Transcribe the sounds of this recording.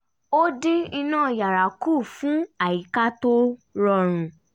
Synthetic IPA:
o˦di˦i˧nãː˦˨ja˨ɾa˨kuː˦˨fũ˨˦a˨ji˨˦ka˦to˦ɾɔ˧ɾ̃ũ˨

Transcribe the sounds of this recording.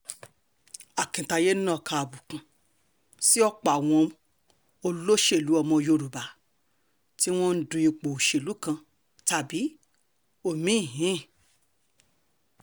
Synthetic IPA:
a˨kĩ˨ta˧je˦n˦nã˦˨kʰa˧a˨bu˨kũ˨ | si˦ɔ˦k͡pa˨w̃ɔ̃˧ | o˧lo˦ʃe˦˨lu˨˦ɔ˧mɔ̃˧jo˧ɾu˨ba˨ | ti˦w̃ɔ̃˦n̩˦dũ˧i˧k͡po˨ʃe˨lu˨˦kã˧ | ta˨bi˨˦ | o˦˨mĩ˨˦i˦˨ɦĩ˨˦˨

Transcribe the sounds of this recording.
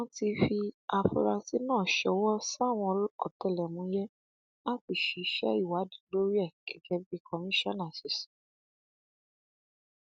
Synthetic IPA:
ɔ̃˦ti˧fi˧a˧fṵ˧ɾa˧ti˧˦nãː˦˨ʃɔ˨˦wɔ˦sa˦˨w̃ɔ̃˧˦ɔ̰˨tɛ˨lɛ˨mũ˨˦jɛ˦ | a˦k͡pi˨ʃi˨˦ʃɛ̰˦i˦˨wa˨˦dĩ˨lo˦ɾi˦ɛ˦˨kɛ˨kɛ˧bi˧˦kʰɔ˧mĩ˦ʃɔ̃˦˨na˨si˨sĩ̥˨˦

